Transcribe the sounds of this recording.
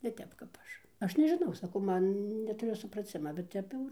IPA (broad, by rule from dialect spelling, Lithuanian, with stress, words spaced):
nʲɛ ˈtʲɛp kɐp ˈɐʃ ˈɐʃ nʲɛʒʲɪˈnɐʊ sɐˈkɐʊ ˈmɐn nʲɛtʊˈrʲʊ sʊprɐˈt͡sʲɪmɐ bʲɛt ˈtʲɛp jɛʊ ɪr